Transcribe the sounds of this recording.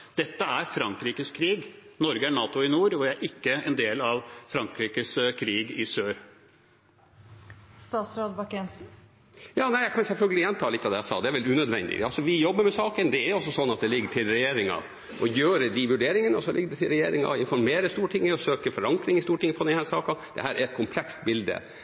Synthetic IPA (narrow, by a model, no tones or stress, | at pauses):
d̪̥ɛt̪ːəæɾfɾɑŋkɾiːkəskʰɾiːɡnɔɾɡəæɳɑːt̪ʊɪnuːɾɔʋææɾʔɪkːəɛnd̪eːlɑʋfɾɑŋkɾiːkəskʰɾiːɡɪsøːɾ | st̪ɑːt̪sɾoːd̪bɑkɛnsn̩ | jɑːnæɪæɪkʰɑnsɛlfœlɡəlɪjɛnt̪ʰɑːlɪt̪ːɑʋd̪ɛːjæɪsɑ̰ːd̪ɛæɾʋɛlʉːnœd̪ʋɛ̰nd̪ɪ̰ɑlsɔʋɪjɔbːəɾmɛsɑːkənd̪ɛæɾjʊɔs̬ːɔsɔnːɑt̪̚d̪ɛlɪɡːəʈʰɪlɾɛjeːɾɪŋɑ̰ | ʔɔjøːɾəd̪iʋʉɖeːɾɪŋənəɔsɔlɪ̰ɡːəd̪ɛt̪ʰɪlɾɛjeːɾɪŋɑ̰ɪnfɔɾmeːɾəst̪uːɾʈʰɪŋːəɔsøːkəfɔɾɑŋkɾɪŋəst̪uːɾʈʰɪŋːəpʰɔd̪ɛnhæːsɑːkɑd̪̥ɛ̰hæːɾæɾɛt̪̚kʰʊmpʰlɛkst̪bɪld̪ə̰